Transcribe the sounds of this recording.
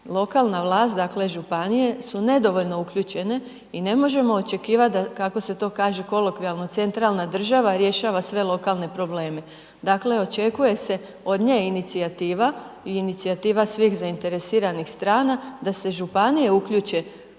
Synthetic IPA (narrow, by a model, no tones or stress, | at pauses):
lˠo̞kaːlˠnaʋlˠaːst̪̚d̪akle̞ʒupanije̞sune̞d̪o̞ʋo̞ʎno̞ukʎuːt͡ʃe̞ne̞ | ine̞mo̞ʒe̞mo̞ot͡ʃe̞kiːʋat̪̚d̪akako̞se̞t̪o̞ːkaːʒe̞ko̞lokʋialˠno̞t̪se̞nt̪ɾaːlˠnad̪r̩ʒaʋaɾje̞ʃaːʋasʋe̞lˠo̞kaːlˠne̞pɾo̞ble̞ːme̞ | d̪aːkle̞o̞t͡ʃe̞kuje̞se̞ | o̞d̪ɲeinit̪siat̪iːʋa | iːnit̪siat̪iːʋasʋiːxzaint̪e̞ɾesiːɾanixst̪ɾaːnad̪ase̞ʒupanije̞ukʎuːt͡ʃe̞